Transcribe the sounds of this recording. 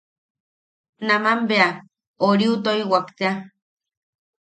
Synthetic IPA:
namambea | oɾiut̪oiwakt̪ea

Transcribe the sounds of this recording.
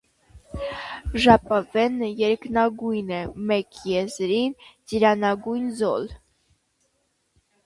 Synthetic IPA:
ʒɑpɑvɛnəjɛɾknɑɡujnɛmɛkjɛzɾind͡ʒiɾɑnɑɡujnzɔl

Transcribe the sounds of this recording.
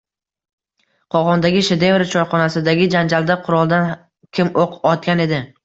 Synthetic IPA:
qʰɒʁɒnd̪aɡʲɪʃed̪evɾat͡ʃʰɒɾχɒnasɪd̪aɡʲɪd͡ʒand͡ʒald̪aqʰʊɾɒlˠd̪an | kʲʰɪmoqɒt̪̚kʲane̞d̪ɪ

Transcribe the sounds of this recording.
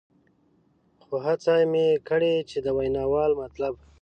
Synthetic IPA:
xoɦat͡sajmekəɽet͡ʃed̪əwajnɑwɑlmat̪lab

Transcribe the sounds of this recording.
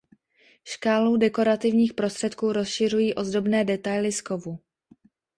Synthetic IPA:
ʃkaːludɛko̞ɾat̪ɪvɲiːxpɾo̞st̪r̥ɛt̪kuːɾo̞sʃɪr̝ujiːʔo̞zdo̞bnɛːdɛt̪ajlɪsko̞vu

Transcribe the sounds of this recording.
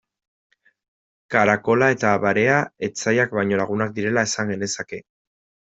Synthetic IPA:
kaɾako̞lae̞t̪aβaɾe̞ae̞t͡sajak̚bajɲo̞laɣ̞unak̚d̪iɾe̞lae̞saŋɡe̞ne̞sake̞

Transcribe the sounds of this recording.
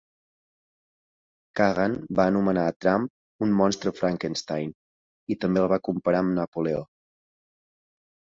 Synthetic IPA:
kaɣanbaənumənaət̪ɾamp̚ | unmɔnst̪ɾəfɾaŋkənst̪ajn | it̪əmbelˠβakumpəɾaəmnəpulɛo̰

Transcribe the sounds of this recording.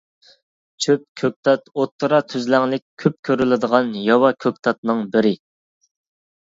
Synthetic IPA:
t͡ʃʰøp̚kʲʰøk̚ʲt̪ʰɑt̪ot̪ʰːɨɾɑt̪ʰyzlæŋlɪkʲʰøp̚kʲʰøɾylɪd̪əʁɑnjɑwɑkʲʰøk̚ʲt̪ʰɑt̪nɨŋbɪɾɪ

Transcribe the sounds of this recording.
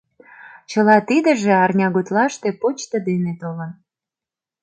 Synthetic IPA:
t͡ɕəlɑt̪id̪ə̆ʒeɑrnʲɑɣut̪lɑʃt̪epot͡ɕt̪əd̪enet̪olən

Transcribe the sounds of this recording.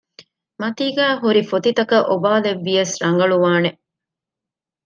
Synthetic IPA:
mɐt̪iːɡæːɦuɾifot̪it̪ɐkɐʔobaːleʋːijɐsɾɐŋɡɐɭuʋaːne

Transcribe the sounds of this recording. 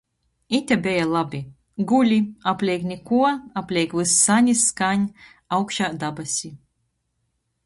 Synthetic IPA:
it̪ʲɛbʲɛjalˠabʲi | ɡulʲiaplʲɛjknʲikuɔaplʲɛjkvɨsːanʲisːkaɲʲ | awkʃaːd̪abasʲi

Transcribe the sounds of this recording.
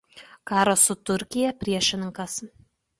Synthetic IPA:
kɑːɾosʊt̪ʊɾʲkʲɪjɛpʲɾʲiɛʃʲɪnʲɪŋkɐs

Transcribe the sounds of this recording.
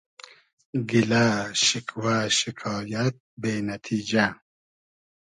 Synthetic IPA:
ɡilaʃikʰwaːʃikʰɑːjɐt̪̚beːnɐt̪ʰiːd͡ʒa

